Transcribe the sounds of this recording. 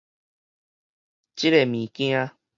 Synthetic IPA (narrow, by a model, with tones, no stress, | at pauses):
t͡ɕi˦ɾe˨mĩ˨kj̃ã˦˧